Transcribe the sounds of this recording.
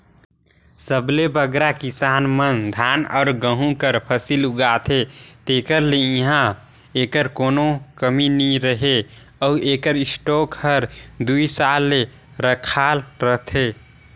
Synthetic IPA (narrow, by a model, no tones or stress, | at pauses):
səblebəɡɾakisanmənd̪ʱanɔ̰ːɾɡəɦũkəɾpʰəsiluɡat̪ʰet̪ekəɾleĩɦã | ekəɾkonokəminiɾəɦe | ɔuekəɾisʈokhəɾd̪uisalːe | ɾəkʰalɾəɦt̪ʰe